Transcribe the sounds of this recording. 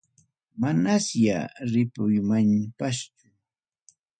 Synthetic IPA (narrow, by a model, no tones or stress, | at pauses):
manasja̰ɾɪpʊjmanpast͡ʃʊ̥